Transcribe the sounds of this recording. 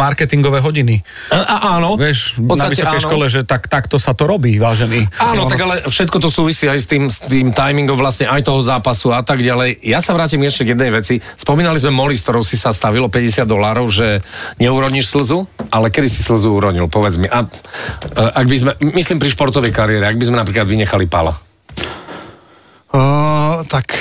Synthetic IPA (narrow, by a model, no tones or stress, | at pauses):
aɾkɛt̪iŋɡɔʋɛɦɔɟini | ʔaʔaːnɔʋɪɛʃɔt̪amisɛɾiʃkɔlɛʒɛt̪akt̪akt̪ɔsat̪ɔɾɔbiːʋaːʒɛniːaːnɔt̪aɡalɛfʃɛt̪̚kɔt̪ɔsuːʋisiːajst̪iːmst̪iːmt̪ajmiŋɡɔmʋlasɲɛʔajt̪ɔɦɔzaːpasuat̪aɡɟalɛjjasaʋɾaːcimɡɛʃɛɡjɛd̪nɛjʋɛt͡si | spɔmiːnalizmɛmɔlisk̚t̪ɔɾɔʊsisast̪aʋilɔpɛɟɛsɪad̪d̪ɔlaːɾɔʊʒɛɲɛuɾɔɲiʃsl̩zualɛkɛd̪isisl̩zuuɾɔɲilpɔʋɛd͡zmiʔa | ʔaɡbizmɛmisliːmpɾiʃpɔɾt̪ɔʋɛjkaɾiɛɾɛaɡ̚bizmɛnapɾiːklad̪ʋiɲɛxalipa̰la̰ | t̪ak